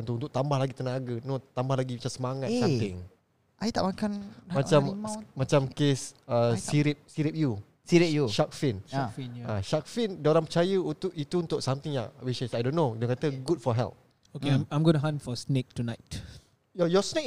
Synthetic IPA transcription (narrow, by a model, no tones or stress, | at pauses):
unt̪uʔunt̪ʊk̚t̪ambahlaɡit̪ənaaɡənot̪ambahlaɡibit͡ʃasəmaŋat̪amɪ̃ŋ | ʔait̪aʔmakanmat͡ʃammat͡ʃamkesəsiɾɪp̚siɾip̚ju | siɾijuʃak̚finfiaʃak̚findauɾanpət͡ʃajəut̪ʊʔit̪uunt̪ʊksamt̪ɪŋja̰ʔwiʃasajdõnːodəkat̪əɡud̚fɔɦɛ̰lp̚ | okeamãjmɡɔnəɦãnfɔsnek̚tunaɪt | jɔjɔsnek